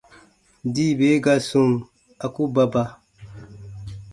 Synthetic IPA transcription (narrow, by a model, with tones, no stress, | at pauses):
di˦˨be˨˦ɡa˦sũ˦˨ŋ | a˨ku˦ba˨ba˨